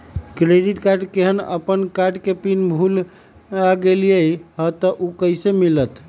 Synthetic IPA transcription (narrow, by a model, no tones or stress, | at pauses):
kɾeɖiʈkaɾɖkeɦənə̰pənkaɖkepinbʱul | aɡelijejɦət̪əʔukəɪsemilət̪